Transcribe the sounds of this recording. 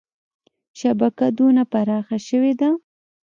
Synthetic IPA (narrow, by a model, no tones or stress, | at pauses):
ʃabakad̪onapaɾɑxaʃəwed̪a